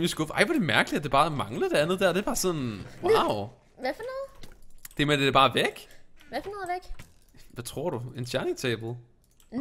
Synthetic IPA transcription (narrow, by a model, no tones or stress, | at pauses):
isɡ̥ɔfʔɑ̈ɪ̰ʋɑɾ̥e̝mæɐɡ̥əlidæd̥e̝b̥ɑ̈ːmɑ̈ŋləd̥eænðˠd̥æɐd̥e̝æb̥ɑ̈ːsɔnwaʊ | ʋæfɔnɔːð̩ˠd̥e̝ɐmed̥e̥æbɑ̈ːʋeɡ̥ʋæfnɔð̩ˠʋeɡ̥ | ʋæt͡sʰʁo̝ɐ̰ɾuensʰjæɐniŋt͡sʰɛːb̥l̩ˠ